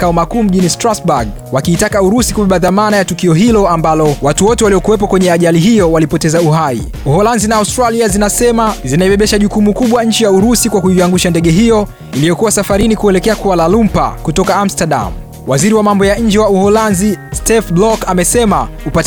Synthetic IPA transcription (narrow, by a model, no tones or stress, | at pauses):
kaɔmakuːm̩ʄinistɾasbaɡ̚ | wakiːtakauɾusikuɓɛɓaðamanajatukiɔɦilɔambalɔwatuwɔtɛwalijɔkuwɛp̬ɔkwɛɲɛaʄaliɦijɔwalipɔtɛzauɦaḭ | uhɔlanzinaːustɾaliazinasɛmazinaiɓɛɓɛʃaʄukumukuɓwaɲ̩t͡ʃijauɾusikwakuiaŋɡuʃandɛɠɛɦijɔ | ilijɔkuwasafaɾinikuɛlɛkɛakuwalalumpa̰kutɔkaam̩staɗa̰m | waziɾiwamambɔjaɲ̩d͡ʒɛwauhɔlanzistɛfblɔkamɛsɛma | upat